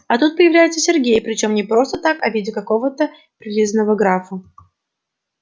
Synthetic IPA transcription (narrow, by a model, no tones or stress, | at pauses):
ɐt̪ut̪̚pəjɪvlʲæjɪt̪səsʲɪrɡʲejpɾʲɪt͡ɕo̞mnʲɪpɾo̞st̪ət̪akɐvʲidʲɪkɐko̞vət̪ə | pɾʲɪlʲizənəvəɡɾafə